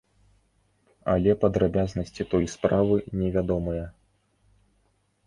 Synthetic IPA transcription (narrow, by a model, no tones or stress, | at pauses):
ɐlʲɛpɐd̪ɾabʲaznɐsʲt͡sʲit̪ɔjspɾavɨnʲɛvʲad̪ɔmɐjɐ